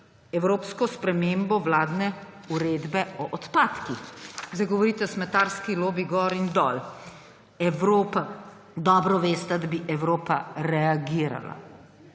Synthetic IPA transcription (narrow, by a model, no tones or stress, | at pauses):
ɛwɾoːpskɔspɾɛmeːmbɔʋlaːd̪nɛ | uɾeːd̪bɛɔʔɔt̪paːt̪kixzɐɡɔʋɔɾiːt̪ɛsmɛt̪aːɾskiloːbiɡɔɾind̪ɔl | ɛwɾoːpa | d̪ɔːbɾɔʋeːst̪ɛd̪abiʔɛwɾoːpaɾɛaɡiːɾa̰la̰